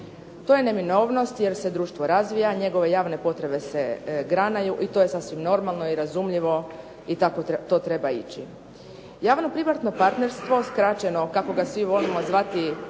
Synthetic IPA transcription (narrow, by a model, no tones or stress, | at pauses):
t̪oje̞ne̞mino̞ːʋno̞st̪je̞ɾse̞d̪ɾuːʃt̪ʋo̞ɾazʋijaɲe̞ɡo̞ʋe̞jaːʋne̞po̞t̪ɾe̞be̞se̞ɡɾanajuʔit̪o̞ːje̞sasʋimno̞ɾmalˠno̞iɾazumʎiʋo̞ | it̪akot̪o̞t̪ɾe̞bait͡ɕi | jaːʋno̞pɾimaɾt̪no̞paɾt̪ne̞ɾst̪ʋo̞skɾat͡ɕe̞no̞kako̞ɡasʋiʋo̞limo̞zʋat̪i